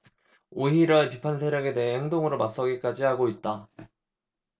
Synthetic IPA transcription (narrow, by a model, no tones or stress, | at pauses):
oɦiɾʌepipʰans̬ʰeɾjʌɡe̞de̞ɦeheŋdoŋɯɾomas͈ʌɡik͈ad͡ʑiɦaɡoit̚t͈a